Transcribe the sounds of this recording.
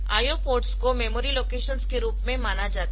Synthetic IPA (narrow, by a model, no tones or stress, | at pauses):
a̰ːjopoːɾʈskomemoːɾiloːkeːʃənskeɾuːpmẽmaːnad͡ʒaːt̪